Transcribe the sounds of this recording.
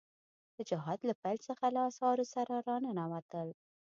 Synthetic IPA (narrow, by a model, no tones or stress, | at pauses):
d̪̥əd͡ʒɪɦɑd̪lapajlt͡səxalaɑsɑɾosaɾaɾɑnənawat̪əl